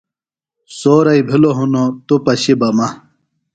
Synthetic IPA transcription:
soːɾɐibʱiloɦunot̪opɐɕibɐmɐ

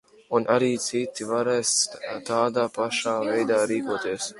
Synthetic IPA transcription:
unʔaɾiːt̪sit̪ːivaɾɛːst̪aːd̪aːpaʃaːvɛjd̪aːɾiːkuɔt̪iɛs

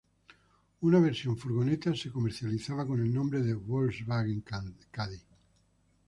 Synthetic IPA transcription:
unaβ̞eɾsjoɱfuɾɣonet̪asekomeɾθjaliθaβ̞akonelnõmbɾeðeβolzβaɣeŋkaði

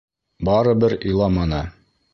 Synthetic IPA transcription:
bɑɾɤ̆bɘɾŏjlˠɑmɑnɤ

